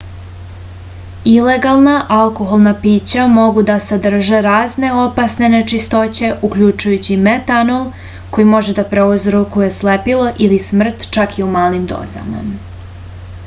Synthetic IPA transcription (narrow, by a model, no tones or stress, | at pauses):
ile̞ɡalˠnaʔalˠko̞ɦolˠnapiːt͡ɕamo̞ɡud̪asad̪r̩ʒe̞ɾaːzne̞o̞pasne̞net͡ʃist̪o̞t͡ɕe̞ʔukʎut͡ʃujut͡ɕimet̪anolˠ | ko̞jimo̞ʒe̞d̪apɾeuzɾokuje̞slepilo̞ʔilismr̩t̪t͡ʃakʰiumaːlimd̪o̰ːza̰ma̰